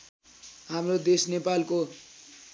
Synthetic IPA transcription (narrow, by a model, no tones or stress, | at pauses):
ɦamrod̪esnepalko